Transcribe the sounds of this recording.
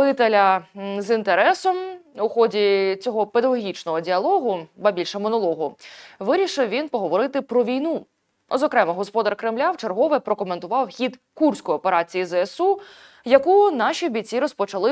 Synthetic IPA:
ɪt̪elʲɐzint̪eɾɛsɔmʊxɔdʲit͡sʲɔɦɔped̪ɐɦɔɦʲit͡ʃnɔɦɔdʲiɐlˠɔɦʊbɐbʲilʲʃɛmɔnɔlˠɔɦʊʋɪɾʲiʃɪwʋʲinpɔɦɔʋɔɾɪt̪ɪpɾɔʋʲijnu | ɔzɔkɾɛmɐɦɔspɔd̪ɐrkɾɪmlʲawt͡ʃerɦɔʋɪpɾɔkɔment̪ʊʋɑwxʲid̪kursʲkɔjɔpe̞ɾɑt͡sʲijizeɛsu | jɐkunɑʃʲiɔbʲit͡sʲːiɾɔspɔt͡ʃɐlˠɪ

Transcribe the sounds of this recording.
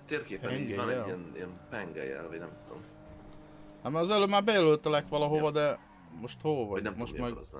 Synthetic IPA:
t̪eːrkeːpɛɛŋɡɛaniɛniɛmpɛŋɡɛ̰jɛ̰lvɒɟnɛmt̪ut̪o̰m | ɑmːɒzɛløːmaːrbɛjɛlølt̪ɛlɛkʋɒlɒɦovɒd̪ɛ | mo̞ʃt̪hoːlvɒnɛmmoʃt̪mɛɡz

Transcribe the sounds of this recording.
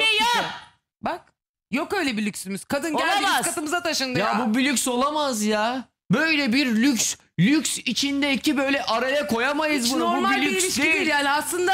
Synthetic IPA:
ɛjo | bak̚ | jokø̞jlʲɛbilʲyksymyz̥kʰad̪ɯnolˠamazkːat̪ɯmɯzat̪ʰaʃɯnd̪ɯjaabubilʲykʲso̞lˠamazja | bø̞jlʲɛbiɾlʲycʲs | lʲykʲsit͡ʃʰind̪ɛicʰibø̞jlʲɛʔaɾajakʰo̞jamajɯzbunaoɾumalʲlʲyislʲiʃd̪iiɾjaːniaslˠɯnd̪a

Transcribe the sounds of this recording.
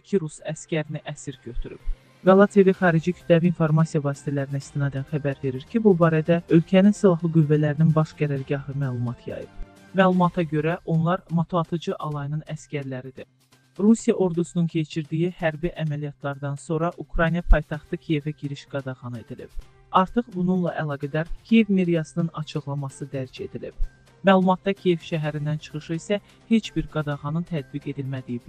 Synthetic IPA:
cʰiɾusæscæɾiniʔæsiɾɟøt̪ʰyɾy̰b̥b | ɡɑlˠɑt̪ʰeviχɑːɾid͡ʒicʰy̥t̪læviinfo̞ɾmɑsijɑvɑːsi̥t̪ʰælæɾinæist̪ʰinɑːd̪ænxæbæɾve̞ɾiɾcʰibubɑːɾæd̪æø̞lcʰæninsilˠɑɦlˠɯɡyvːælæɾininbɑʃɡæɾæɾɡɑɦɯmæːlˠumɑt̪ʰjɑ̰jɯ̰b̥ | mæːlˠumɑt̪ʰɑɟø̞ɾæʔo̞nlˠɑɾmɑt̪ʰoɑt̪ʰɯd͡ʒɯʔɑlˠɑjnɯnæscʲæɾlæɾid̪i | ɾusijɑʔo̞ɾd̪usununcʰe̞t͡ʃʰiɾd̪ijihæɾbiʔæmælijɑt̪ʰlˠɑɾd̪ɑnso̞ɾɑʔukɾɑjnijɑpʰɑjt̪ʰɑχt̪ɯcʰije̞væɟiɾiʃɡ̥ɑd̪ɑɣɑne̞d̪ilḭb̥ | ɑɾt̪ʰɯχbununlˠɑʔælˠɑːɡæd̪æɾcʲʰije̞vmeɾijɑsɯnɯnɑt͡ʃʰɯɣlˠɑmɑsɯd̪æɾd͡ʒe̞d̪ilḭb̥ | mæːlˠumɑt̪̚ːɑcʰije̞v̥ʃæɦæɾind̪ænt͡ʃʰɯ̥χɯʃɯisæ | he̞t͡ʃbiɾɡɑd̪ɑʁɑnɯnt̪ʰæd̪̚biɡe̞d̪ilmæd̪ijib

